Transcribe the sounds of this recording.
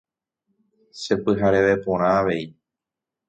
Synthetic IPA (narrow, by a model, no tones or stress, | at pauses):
se̞pɨɦaɾe̞ʋe̞põ̞ɾ̃ãaʋe̞ji